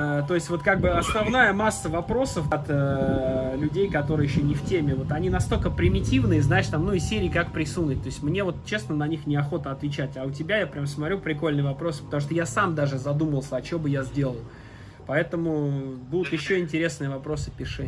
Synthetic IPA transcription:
t̪o̞ɪsʲtʲvo̞t̪kaɡ̚bɨɐsnɐvnajəmasːəvɐpɾo̞səfat̪ə | lʲʉdʲejkɐt̪o̞ɾɨjɪɕːonʲɪftʲemʲɪvo̞t̪ɐnʲinɐst̪o̞lʲkəpɾʲɪmʲɪtʲivnɨjəznaɪʂt̪amnuɪsʲeɾʲɪːkakpɾʲɪsunʲʊt̚ʲt̪o̞ɪsʲtʲmnʲe̞vo̞t̪̚t͡ɕe̞snənɐnʲixnʲɪɐxo̞t̪əɐt̪vʲɪt͡ɕætʲaʊt̬ʲɪbʲajapɾʲamsmɐt̪ɾʲupɾʲɪko̞lʲnɨjəvɐpɾo̞sɨ̥pə̥t̪ɐmuʂt̪ojasamd̪aʐɨzɐd̪uməlˠsʲəɐt͡ɕobɨjazʲdʲe̞lˠəlˠ | pɐɛt̪əmʊbud̪ʊt̪jɪɕːo̞ɪnʲtʲɪɾʲe̞snɨjəvɐpɾo̞sɨpʲɪʂɛ

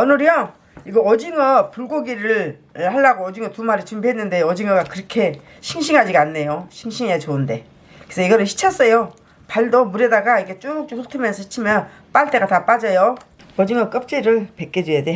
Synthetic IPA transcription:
ʌnɯɾʌ | iɡʌʌd͡ʑiŋʌpuɭɡoɡiɾɯɭhaɭːaɡoʌd͡ʑiŋʌtumaɾit͡ɕɯmbiɦenːɯnde̞ʌd͡ʑiŋʌɡakɯɾʌkʰe̞ | ɕʰiŋɕʰiŋɦad͡ʑiɡanːe̞joɕʰiŋɕʰiŋeat͡ɕoɯnde̞ | kɯe̥sʰʌiɡʌɾɯɭɕʰi̥t͡ɕʰʌs͈ʌjo | paɭdʌmuɾedaɡaiɡe̞t͡ɕ͈uk̚t͡ɕ͈uk̚sʰotʰɯmjʌnsʰʌɕʰi̥t͡ɕʰimjʌn | p͈aɭt͈e̞ɡatap͈ad͡ʑʌjo | ʌd͡ʑiŋʌk͈ʌp̚t͡ɕ͈eɾɯɭpek͈ed͡ʑejade

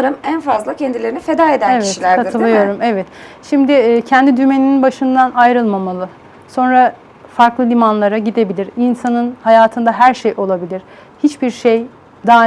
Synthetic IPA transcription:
ɾɯmænfazlˠacʰɛnd̪ilʲe̞ɾinife̞d̪aːed̪ænevɛtilʲæɾaɯlˠɯjoɾumevɛt̪ʃimd̪ɪcʰɛnd̪id̪yme̞nininbaʃɯnd̪anajɾɯlˠmamalˠɯ | so̞nɾa | faɾklˠɯlʲimanlˠaɾaɟid̪e̞bilʲiɾinsanɯnhajaːt̪ʰɯnd̪aɦæɾʃejʔo̞lˠabilʲiɾ̥ | hit͡ʃbiɾʃej | d̪aː

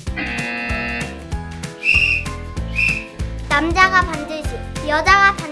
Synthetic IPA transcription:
namd͡ʑaɡapandɯɕʰijʌd͡ʑaɡapan

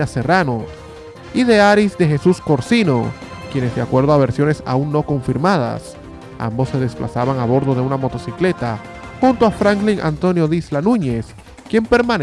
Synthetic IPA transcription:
aserano | iðe̞aɾisd̪e̞xe̞susko̞ɾsino̞ | kje̞ne̞zd̪eakwe̞ɾðoaβ̞e̞ɾsjo̞ne̞sa̰unnːo̞ko̞ɱfiɾmað̞a̰s | a̰mbo̞sːe̞ð̞e̞splʔa̰saβaŋaβo̞ɾðo̞ð̞e̞unamo̞t̪o̞sikle̞t̪a | xunt̪oafɾaŋkliŋʔa̰nt̪o̞njo̞ðislanũɲe̞s | kje̞mpe̞ɾmãn

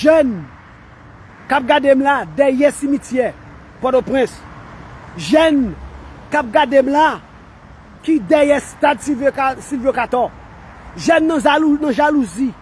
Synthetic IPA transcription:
ʒɛn | kap̚ɡadem̩lad̪ɛjɛsimitjɛ | pɔt̪opʁɛ̃s | ʒɛnkap̚ɡademla | kidɛjɛst̪ad̪sivsilvokat̪ɔ | ʒɛnːãaunãʒaluzi

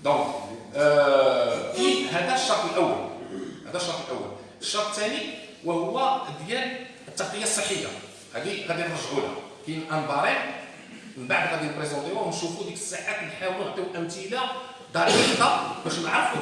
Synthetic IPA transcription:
d̪õk | ihæd̪æʃːɑɾt̪ːˤəlʔəwːæ̰lhæd̪æʃːɑɾt̪ˤlʔəwːæ̰l | əʃːɑɾˤt̪ˤːt̪ːæni | wæhʊwːæəd̪jæl | ət̪ːɑqəjːasˤːəħːəjːa̰ | hæd̪iɣæd̪iɾˤəʃʕula̰kijəmʔænb̪ɑɾˤin | mənbaʕd̪ɣæd̪inpɾezɑ̃t̪ewuwnʃufud̪ikə̥sːaʕat̪lħawlæt̪æwʔæwt̪ija | d̪ɑɾˤt̪ɑbæʃʕɑɾf

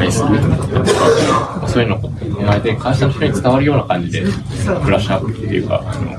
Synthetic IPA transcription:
sekamaso̞ːjɯ̟nːooomaed̪e̞kʰãĩɕançtoɲ̟it͡sɨ̥t̪aβaɾɯ̟jo̞ːnakãɲ̟d͡ʑid̪e̞ | kɯ̟ɾaɕapːɯ̥t̪ːejɯ̟ka̰sno̰

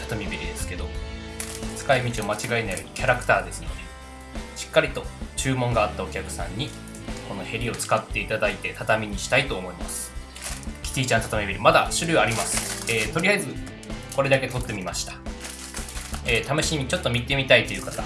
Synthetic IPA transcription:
t̪ʰḁt̪omʲibʲiɾʲid̪e̞sɨ̥ke̞d̪o̞ | t͡sɨ̥kaimʲit͡ɕio̞mat͡ɕiɡainajo̞ːɲ̟ikʲaɾakɯ̟̥t̪aːd̪e̞sɨno̞̰d̪e̞ | ɕi̥kːaɾʲit̪o̞t͡ɕɨːmõ̞ŋɡaːt̪ːao̞kʲakɯ̟̥sã̰ɲ̟ːi | ko̞no̞he̞ɾʲio̞t͡sɨ̥kat̪ːe̞it̪ad̪ait̪e̞t̪at̪amʲiɲ̟iɕi̥t̪ait̪o̞ːmo̞imasɨ̥ | kʲi̥t̪ʲiːt͡ɕãnt̪at̪omʲibʲiɾʲimad̪aɕɨɾʲɯaɾʲimasɨ̥eːt̪o̞ɾʲiaizɨ | ko̞ɾe̞d̪ake̞t̪o̞t̪ːe̞mʲimaɕi̥t̪ḁ | eːt̪ameɕiːɲit͡ɕo̞t̪ːo̞mʲit̪ːe̞mʲit̪ait̪ːo̞jɯ̟kat̪a

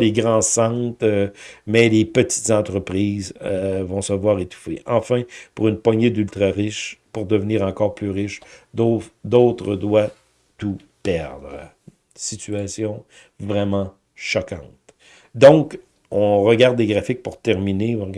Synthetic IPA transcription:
leɡʁɑ̃sɑ̃t̪mɛlepət̪i̥t̪zɑ̃t̪ʁəpʁiːzəvɔ̃səvwaːʁet̪u̥fḛʔɑ̃fɛ̃puʁynpwaɲed̪ylt̪ʁaʁɪʃpuʁd̪əvniːʁɑ̃kɔːʁplyʁɪʃd̪od̪ot̪ʁəd̪wa | t̪u | pɛʁd̪ʁə | sit̪yasjɔ̃ | vʁɛmɑ̃ | ʃɔkɑ̰̃t̪ | d̪ɔ̃k | ɔ̃ʁəɡaʁd̪leɡʁafɪk̚puʁt̪ɛʁmineɔ̃

